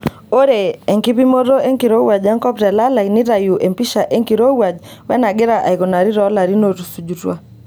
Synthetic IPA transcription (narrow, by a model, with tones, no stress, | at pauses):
o˦ɾe˨ɛ˨ŋki˦pi˦mo˦ɾo˦e˦ŋki˨ɾo˦wa˨d͡ʒa˦ŋkɔ˦ptɛ˨la˦la˨inɪ˦ɾa˨ju˨ʔe˨mpi˦ʃa˨ʔe˦ŋki˨ɾo˦wa˨d͡ʒwɛ˦na˨ɡɪ˦ɾa˨ʔa̰˨i˨kɔ˨na˨ɾi˦ɾɔ˦la˨ɾi˦no˨ɾu˨su˨d͡ʒu˨twa˦